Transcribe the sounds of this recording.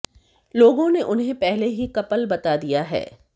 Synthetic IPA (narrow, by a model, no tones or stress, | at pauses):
loːɡõneʔʊnɦẽpɛɦleɦikɐpəlbɐt̪ad̪ijaɦɛ̰ː